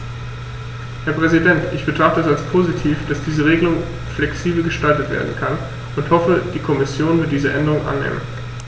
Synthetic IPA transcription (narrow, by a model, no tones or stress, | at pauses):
hɛːɐpʁ̥ɛzidɛntʔɪçb̥ətʁ̥aχtəɛsalspʰoːzitʰiːfd̥asd̥iːzəʁ̞eːɡəlʊŋ | flɛksiːbl̩ɡəʃtaltətv̥ḛːɐdn̩kʰan | ʔʊnthɔfəd̥iːkʰɔmɪsjoːnvɪɐtd̥iːzəʔɛndəʁʊŋʔa̰nːḛːmə̰n